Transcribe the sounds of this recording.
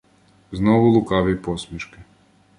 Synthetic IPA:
znɔʋulˠukaʋipɔsmʲiʃkɪ

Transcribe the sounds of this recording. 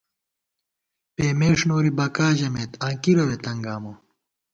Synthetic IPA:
peːmeːʂnoːɾibɐkaːʑɐmeːt̪ãːŋkiɾɐwet̪ɐŋɡaːmo

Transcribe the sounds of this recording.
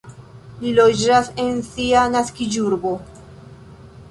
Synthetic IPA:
lilod͡ʒasensianaskid͡ʒuɾbo

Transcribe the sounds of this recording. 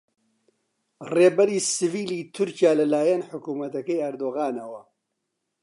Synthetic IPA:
reːbɐɾiːsɨviːliːt̪ʰʊɾcijaːlɐlaːjɐnħʊkuːmɐt̪ɐkɐjɐɾd̪oːɣaːnɐwɐ

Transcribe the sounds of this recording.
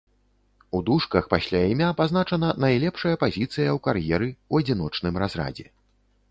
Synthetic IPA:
ud̪uʂkɐxpasʲlʲaimʲapazn̪at͡ʂɐnɐnajlʲɛpʂɐjɐpazʲit̪sɨjɐwkarjɛɾɨuɐd͡zʲinɔt͡ʂnɨmrazra̰d͡zʲɛ

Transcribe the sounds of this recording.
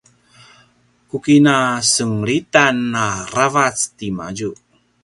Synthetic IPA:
kukinasəŋɾitanːaravat͡stima̰d͡ʒu

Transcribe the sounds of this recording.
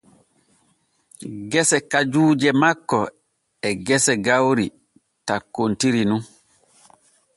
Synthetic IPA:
ɡɛsɛkad͡ʒuːd͡ʒɛmakːɔ | ɛɡɛsɛɡawɾi | takːontiɾinun

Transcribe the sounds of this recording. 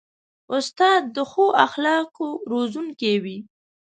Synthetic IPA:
ʊst̪ɑd̪ːəxoʔaxlɑkoɾozuŋkewi

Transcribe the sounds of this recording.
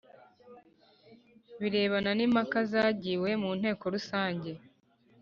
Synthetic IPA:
βiɾe̞ːβananimakazaːɟiːwe̞muːn̥he̞ːko̞ɾusaːɲɟe̞

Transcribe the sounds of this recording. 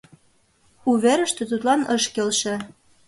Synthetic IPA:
uβeɾə̆ʃt̪ĕt̪ut̪lɑnɤʃkelʃĕ

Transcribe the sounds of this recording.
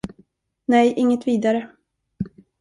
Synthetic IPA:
nɛjʔɪŋːət̪viːd̪aɾə

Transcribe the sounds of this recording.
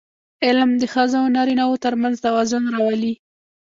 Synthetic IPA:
ɪlmd̪əxɑzaawnɑɾinawot̪əɾmanzt̪awɑzʊnɾɑwali

